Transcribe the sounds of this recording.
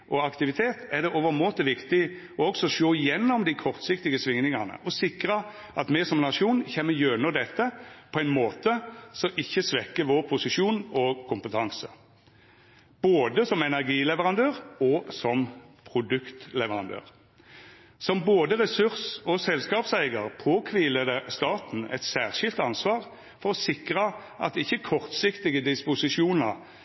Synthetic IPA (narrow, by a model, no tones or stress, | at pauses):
ʔɔɑkt̪ɪʋɪt̪ʰeːt̪æʁd̪ɛʔoːʋəʁmoːt̪əʋɪkt̪ɪ | ɔɔksɔʂoːɪjɛnːɔmd̪ɪkʰɔʁt̪sɪkt̪ɪɡəsʋɪŋnɪŋɑnə̰ʔɔsɪkɾəɑ | ʔɑt̪mɛsɔmnɑʂuːnçɛmːəjøːnɔd̪ɛt̪ːəpʰɔæɪnmoːt̪əsɔʔɪçːəsʋɛkːəʋoːʁpʰʊsɪʃuːnɔkʰʊmpət̪ʰɑŋsə | b̥oːd̪əsɔmɛnæʁɡiːlɛʋəʁɑnd̪øːʁɔsɔmpʰʁʊd̪ʉkt̪lɛʋəʁɑnd̪ø̰ːʁ | sɔmboːd̪əʁɛsʉʁsɔsɛlskɑːpsæɪɡəʁpʰoːkʰʋiːləd̪əst̪ɑːt̪n̩ɛ̰t̪sæːʁʃɪlt̪ɑnsʋɑːʁ | fɔɾɔsɪkʁəʔɑt̪d̪ɪçːəkʰɔʁt̪sɪkt̪ɪɡəd̪ɪspʊsɪʂuːnəʁ